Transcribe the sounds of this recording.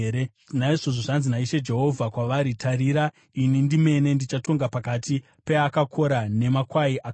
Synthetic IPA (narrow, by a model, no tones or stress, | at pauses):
ɾe | naiʐoʐoʐanzinaiʃe̞d͡ʒe̞ɦo̞vʱakwaʋaɾitʰaɾiːɾa | inindime̞ne̞ndit͡ʃato̞ŋɡapakati | pe̞akakʰo̞ɾane̞makwaiʔa